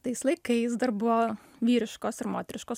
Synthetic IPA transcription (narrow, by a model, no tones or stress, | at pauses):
t̪ɐɪslˠɐɪkɐɪsd̪ɐɾbʊʋoː | ʋʲiːɾʲɪʃkoːsɪɾmoːt̪ʲɛɾʲɪʃkoːs